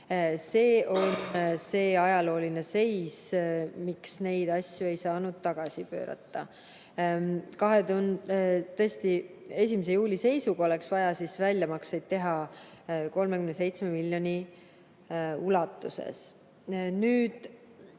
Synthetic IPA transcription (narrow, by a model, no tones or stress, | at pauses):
se̞ːʔo̞nse̞ːɑjɑlo̞ːline̞se̞jsmiksne̞jd̪̥ɑsʲjue̞jsɑːnud̪̥̚t̪ɑɡ̥ɑsipø̰ːɾɑ̰t̪ːɑ | kɑɦed̪unt̪esʲt̪ie̞s̬ʲimesejuːlʲise̞jsuɡ̥ɑo̞leksvɑjɑsisvælʲːjɑmɑksejd̪̥̚t̪ːe̞ɦɑ | ko̞lmekymnese̞jt̪sme̞milʲːjo̞nʲi | ulɑt̪ːˑuse̞̰s | nyːd̪̥